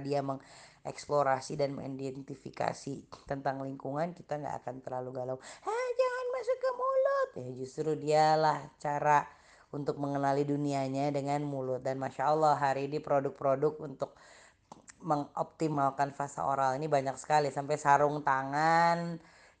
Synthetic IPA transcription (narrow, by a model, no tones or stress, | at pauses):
diaməŋɛksploɾasidanmə̰ŋḭndɛnt̪ifḭka̰sit̪ənt̪aŋliŋkuŋankit̪aŋɡa̰ʔa̰kant̪ərlaluɡalaŋad͡ʒaŋanmasukamulʊt̪̚jahd͡ʒust̪ɾudialaht͡ʃaɾa | unt̪ʊk̚məŋənaliduniaɲadəŋanmulʊt̪̚danmaʃaəlːɑɦaɾiːnipɾodʊk̚pɾodʊk̚unt̪ʊk̚ | məŋʔop̚t̪imalkanfasa̰ʔo̰ɾalinibaɲaksə̥kalisampajsaɾʊŋt̪aŋan